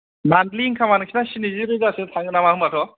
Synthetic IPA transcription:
mandliŋkʰamanɯkʰinasiniziɾɯzasetʰaŋɡɯnamahɯmbatʰɔ

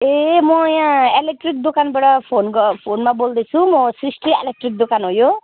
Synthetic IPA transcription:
emɔjãelek̚ʈrik̚d̪okanbaɽʌpʰonɡpʰonmabold̪et͡sʰũmɔsɾisʈriḛlek̚ʈrik̚d̪okanɦojo

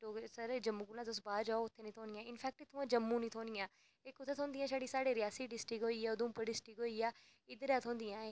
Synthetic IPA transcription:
ʈoːsəɾd͡ʒɐmːũːkulãd̪ʊs̬baːd͡ʒaːoʊt̪ʰːenĩt̪ʰoːnijãːɪnfʰɛːk̚ʈet̪ʰũãːd͡ʒɐmːũnĩːt̪ʰõːnijãː | ekʊt̪ʰːet̪ʰõːnd̪iãːʃaːɽisaːɽeɾɪjaːsiɖɪsʈɪkɦoːiaːʊd̪ũːpəɖɪsʈɪkɦoːiaː | ɪd̪ɾat̪ʰõːnd̪iãːeː

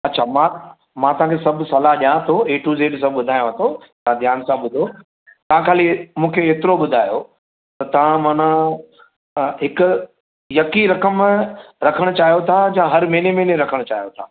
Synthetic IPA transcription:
ɐtːɕʰamã | mãt̪ɐʋ̤ãːkʰesɐbʱsɐlaɦʄjãt̪ʰoeːʈʰuːzeːɖs̬ãɓʊd̪ʱaːjõɦɐt̪ʰo | t̪ɐãd̪ʱjaːnsãɓʊd̪ʱo | t̪ɐʋãkʰaːlimũːkʰeeːt̪ɪɾoɓʊd̪ʱaːjo | t̪ɐt̪ɐʋ̤ãmãːnã | ɦɪkʊ | jɐkiɾɐkəmɾɐkʰəɽ̃t͡ɕaːɦijot̪ʰad͡ʑãɦɐɾmẽːnemẽːnẽɾɐkʰəɽ̃t͡ɕa̰ːɦijot̪ʰaː

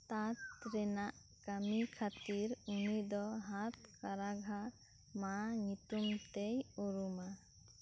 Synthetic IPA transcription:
t̪at̪ɾɛnaʔ | kamikʰat̪iɾunid̪ɔɦat̪̚kaɾaɡʱa | maɲut̪umt̪ejuɾuma

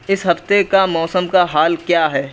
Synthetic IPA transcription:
ɪsɦɐft̪ekamɔːsəmkaɦaːlkjaːɦɛː

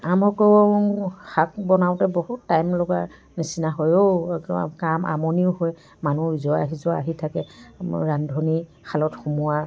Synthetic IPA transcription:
amɔkɔw | xak̚bɔnawtɛbɔhutːajmlɔɡa | nisinaɦojo̰ | kamʔa̰mɔniʊhoj | manuizɔaɦizɔaaɦitʰakɛɹandʱɔni | kʰalɔtxumuwa

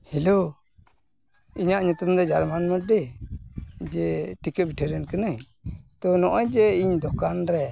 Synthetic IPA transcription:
hilo | iɲaʔɲut̪umd̪ɔd͡ʒaɾmanməɖɛ | d͡ʒɛʈikəbiʈʰəɾɛnkənə | t̪ɔnɔʔɔjd͡ʒɛiɲd̪ɔkanɾɛ

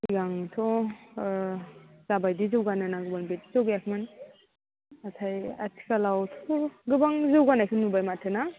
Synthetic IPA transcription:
iɡaŋtʰɔ | z̥abajdizɯwɡananaɡɯbaŋbetizawɡakʰiman | atʰaja̰tʰi̥kalawtʰuɡɯbaŋzɯwɡanajkʰɯnnːubajmatʰɯna

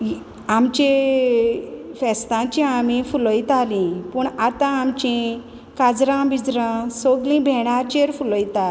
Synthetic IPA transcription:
amt͡ɕe | fɛst̪ãt͡ɕĩamĩfulɔjt̪alĩpuɳat̪ãːmt͡ɕĩ | kad͡zɾãbid͡zɾãsoɡlĩbʱɛɽ̃at͡ɕeɾfuləjt̪a

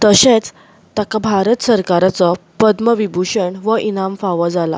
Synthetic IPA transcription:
t̪əɕet͡s | t̪akabʱaɾət̪səɾkaɾat͡sɔpəd̪məʋibʱuʂəɳʋəʔinamfaʋəd͡zala̰

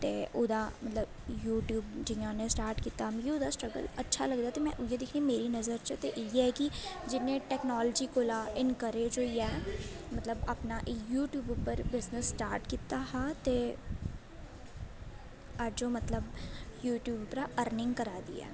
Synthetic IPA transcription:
t̪eːʔʊd̪aːmət̪ləbjuːʈjuːbd͡ʒɪãːnẽːsʈaːɾʈkiːt̪aːmɡiod̪aːsʈɾəɡə̰lətːʃʰaːləɡd̪aːt̪eːmɛ̃ːʔʊjeːd̪ɪkʰniːmeːɾiːnəzəɾt͡ʃt̪eʔɛːkɪd͡ʒɪnːẽːʈɛːknɔːləd͡ʒiːkolaːʔɪnkəɾeːd͡ʒoːiːɛːmət̪ləbəpnaːʔɪjuːʈjuːbʊpəɾbɪznəsːʈaːɾʈkiːt̪aːhaːt̪eː | ad͡ʒõːmət̪ləbjuːʈjuːbpəɾaʔəɾnɪ̃ŋɡkəɾaːd̪ḭːɛ̰ː

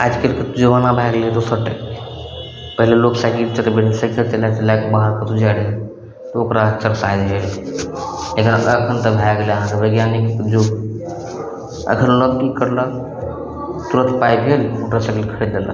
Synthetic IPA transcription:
ad͡ʒkelkət̪ud͡ʒəʋanabʱajɡled̪osəɾʈəkː | pəɦileloksaɡit͡ʃət̪bensəkʰət͡ʃəlat͡ʃəlakebaɦəɾkət̪ud͡ʒaɽi | t̪ɔokɾaət͡ʃʰəɾsajd̪ɦel | lekinəkʰənt̪əbʱajɡeleəɦãt̪ebəɡjanikd͡ʒo | ə̰kʰənləɡːikəɾlə | t̪uɾət̪ʰpajbʱelokɾasaɡelkʰəɽed̪d̪ela̰

